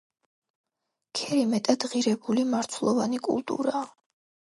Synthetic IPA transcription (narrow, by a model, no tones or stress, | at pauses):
kʰɛɾimɛt̪ʼad̪̥ʁiɾɛbulimaɾt̪sʰwlˠɔvanikʼṵlˠt̪ʼṵɾaː